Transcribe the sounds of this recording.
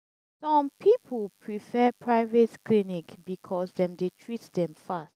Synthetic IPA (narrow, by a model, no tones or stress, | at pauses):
sɔ̃mpʰipʰəlpʰɹifɛpʰɹaɪvɛtklinikbikʰɔsdɛ̃mdetʰɹitdɛ̃mfast